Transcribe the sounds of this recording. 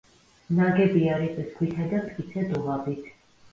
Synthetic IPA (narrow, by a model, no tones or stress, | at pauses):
naɡɛbiaɾisʼɛsɡwit̪ʰɛd̪amt̪ʼkʼit̪sʰɛd̪uʁabit̪ʰ